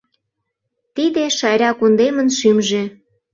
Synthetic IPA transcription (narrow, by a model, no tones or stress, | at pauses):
t̪id̪eʃɑjɾʲɑkund̪emə̆nʃymʒe